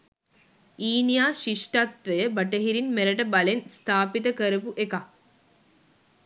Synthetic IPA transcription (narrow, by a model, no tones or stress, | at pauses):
iːnjaːʃiʂʈat̪ʋɐjəbɐʈɐɦiɾinmeɾɐʈɐbɐlenst̪ʰaːpit̪ɐkəɾɐʋuʔeka